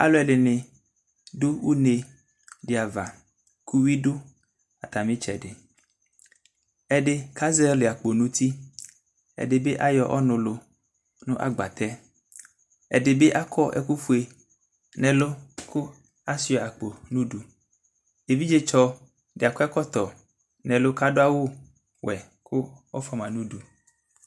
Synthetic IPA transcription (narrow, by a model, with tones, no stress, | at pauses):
a̰˨lo˦ɛ˨le˨ne˨ | do˦wu˦ne˨ | de˨a˨va̰˨ | ku˦wi˦do˦ | a˨t̪a˨mĩ˦t͡ʃɛ̰˨ɖɪ˨ | ɛ˦ɖe˦ka˦zɛ˦le˨a˨k͡po˨nũ˦t̪i˦ | ɛ̰˨de˨be˦ʔa˦jɔ˨ʔɔ̰˦nʊ̃˨lo˨ | nʊ̃˦ʔa̰˦ɡ͡ba̰˨t̪ɛ˦ | ɛ̰˨de˨be˦ʔa˦kʰɔ˦ʔɛ̰˦ku˦ɸu˦e˨ | nɛ̃˨lo˦kʰo˦ | a˦si˦ɔ˨a˨k͡po˨nũ˦ɖu˨ | e˨vi˦d͡ʒe˦t͡ʃɔ˦ | ɖe˨a˨kɔ˦ɛ˦kɔ˦t̪ɔ˨ | nɛ̃˨lo˦ka˦ɖo˦a˦wo˦ | wɛ˨ | kʰʊ˦ɔ̰˦fɔ˦mã˨nũ˦ɖu˨